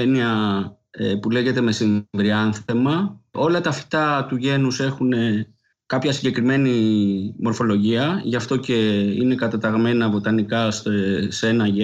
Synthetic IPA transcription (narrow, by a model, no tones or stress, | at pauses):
eniɐ | epule̞ʝe̞t̪e̞me̞siɱvɾiɐnθe̞mɐo̞lɐt̪ɐfi̥t̪ɐt̪uʝe̞nuse̞xune̞ | kɐpçɐsiɲɟe̞kɾime̞nimo̞ɾfo̞lo̞ʝiɐʝɐft̪o̞ce̞ḭne̞kɐt̪ɐt̪ɐɣme̞nɐvo̞t̪ɐnikɐsesenɐʝe